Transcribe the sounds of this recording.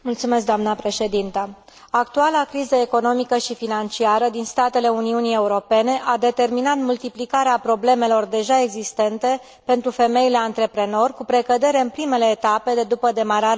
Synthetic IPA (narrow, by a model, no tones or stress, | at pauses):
mult̪sume̞s̬k̚d̪oamnəpɾe̞ʃe̞d̪int̪ə | ak̚t̪ualakɾizəeko̞no̞mikəʃifinant͡ʃiaɾəd̪inst̪at̪e̞le̞uniunie̞uɾo̞pe̞ne̞ʔad̪e̞t̪e̞rminat̪mult̪iplikaɾeapɾo̞ble̞me̞lo̞rd̪e̞ʒae̞ɡzist̪e̞nt̪e̞ | pe̞nt̪ɾufe̞me̞jile̞ant̪ɾe̞pɾe̞no̞rʲkupɾe̞kəd̪e̞ɾe̞ɨnpɾime̞le̞ːt̪ape̞d̪ed̪upəd̪e̞maɾa